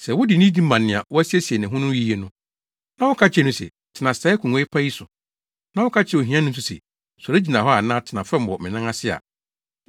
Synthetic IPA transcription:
sɛ˨wʊ˦dɪ˨nĩ˦di˦mã˨nːɪ̃˨a̰˨wʊ˦æ˦si˦e˦si˨e˨nɪ̃˨ɦʊ̃˦nʊ̃˦i˦je˨nʊ̃˦ | nã˦wʊ˦kʰa˦t͡ɕʰɛ˦˨nʊ̃˦sɛ̰˨ | tʰɪ˨nã˨ssa˨˦kʰũ˨ŋʷɔ˦ɪ˦pʰa˦ji˦sʊ˨ | nã˦wʊ˦kʰa˦t͡ɕʰɛ˨o˨ɦĩ˦ã˦nʊ̃˦s̬ʊ˨sɛ̰˨ | sɔ˨ɾe˦d͡ʑi˨nã˨hɔ˦a˨nãː˦tʰɪ˨nã˨fɛ̃˦m˦wɔ˨mɪ̰̃˨nã˦ŋa˦sɪ˦a̰˨

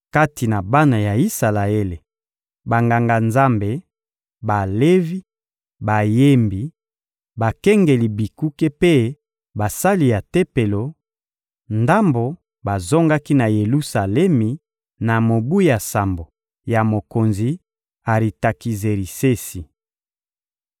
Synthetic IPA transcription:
ka˦ti˨na˨ba˦na˨ja˨i˦sa˨la˨e˦le˨ | ba˨ŋɡa˨ŋɡa˨nza˦mbe˨ | ba˨le˦vi˦ | ba˨je˦mbi˨ | ba˨kɛ˦ŋɡe˨li˨bi˨ku˦ke˦pe˦ | ba˨sa˦li˨ja˨te˦pe˨lo˨ | nda˦mbo˨ | ba˨zo˦ŋɡa˦ki˦na˨je˨lu˦sa˨lɛ˦mi˨ | na˨mo˨bu˦ja˨sa˨mbo˨ | ja˨mo˨ko˨nzi˨ | a˨ɾi˨ta˨ki˨ze˨ɾi˨se˦si˨

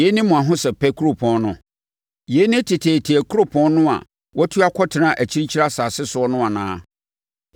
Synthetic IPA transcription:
e˨˦nɪ̃˦mʊ̃˨ã˨ɦʊ̃˦sɛ˨pʰɛ˦kʰu˦ɾo˨pʰɔ̃˨˦nnʊ̃˦ | je˨˦nɪ̃˦tʰɪ˨tʰeː˨tʰi˨æ˨kʰu˦ɾo˦pʰɔ̃˦nnʊ̃˦a̰˨ | wʔɔ˦tʰu˦a˦kʰɔ˦tʰɪ˨nã˦ʔæ˨t͡ɕʰi˦ɾi˦t͡ɕʰi˦ɾa˦saː˨sɪ˦sʊ˨ɔ˦nʊ̃˦a˨nãː˨˦

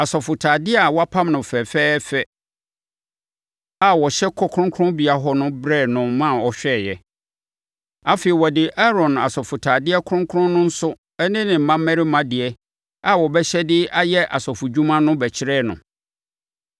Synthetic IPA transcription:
a˨sɔ˨fʊ˨tʰaː˨dɪ˦a˨wɔ˦a˦pʰã˦mnʊ̃˨fɛ˨fɛː˦fɛ˦ | a˨wɔ˨ɕɛ˦kʰɔ˦kʰɾʊ̃˦ŋkʰʊ˦ɾʊ̃˦bi˨a˨ɦɔ˦nʊ̃˦bɾɛ˦˨nʊ̃˨mã˦˨ɔ˨ɕᶣɛ˦˨jɛ˨ | a˦fe˨i˨wɔ˨dɪ˨ʔa˦ɾɔ̃˨na̰˨sɔ˨fʊ˨tʰaː˨dɪ˦ɛ˦kʰʊ˦ɾʊ̃˦ŋkʰʊ̃˦nːʊ̃˦n̩˦sʊ˦ | ɛ˦nɪ̃˦nɪ̃˨m̩˨mã˦mː˦ɛ̃˦ɾɪ˦mã˨dɪ˨ɛ˦ | a˨wɔ˨bɛ˦ɕɛ˦dɪ˦a˦jɛ˦ʔa̰˨sɔ˨fʊ˨d͡ʑu˦mã˦nʊ̃˦bɛ˨t͡ɕʰɪ˦ɾɛː˦˨nʊ̰̃˨

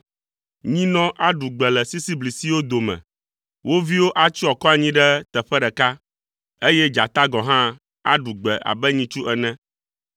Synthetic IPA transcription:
ɲĩ˦nɔ̃˦ʔa˦ɖu˨ɡ͡bɛ˨lɛ˨si˦si˦bli˨si˦wo˦d̪o˨mɛ̰̃˨ | wʔo˦vi˦wo˦ʔa˦t͡ʃi˦ɔ˨kɔ˦a˨ɲĩ˦ɖɛ˦t̪ɛ˨ɸɛ˦ɖɛ˨ka˦ | e˦jɛ˦d͡ʒa˨t̪a˦ɡɔ̃˨ɦã˦ | a̰˦ɖu˨ɡ͡bɛ˨ʔa̰˨bɛ˦ɲĩ˦t͡ʃu˦ʔɛ˨nɛ̃˦

